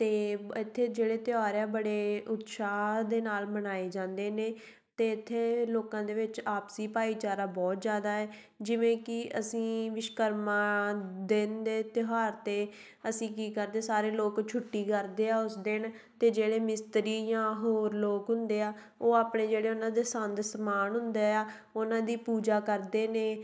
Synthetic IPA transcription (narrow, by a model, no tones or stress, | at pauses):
t̪eːɪt̪ʰːeːd͡ʒeːɽeːt̪ɪjaːɾɛːbəɽeːʊt̪ːʃaːd̪eːnaːlmənaːeːd͡ʒãːnd̪eːneː | t̪eːɪt̪ʰːeːloːkãːd̪eːʋɪt͡ʃaːpsiːpaːiːt͡ʃaːɾaːbɔːt̪zjaːd̪aːɛː | d͡ʒɪʋẽːkɪəsĩːʋɪʃkəɾmãːd̪end̪eːt̪ɪɦaːɾt̪eː | əsĩːkiːkəɾd̪eːsaːɾeːloːkt͡ʃʰʊʈːiːkəɾd̪eːaːʊsd̪ɪɳ | t̪eːd͡ʒeːɽeːmɪst̪ɾiːjãːɦoːɾloːkɦʊ̃nd̪eːaː | oːaːpɳeːd͡ʒeːɽeːʊnãːd̪eːsənd̪səmaːnɦʊ̃nd̪eːaː | ʊnãːd̪iːpuːd͡ʒaːkəɾd̪eːneː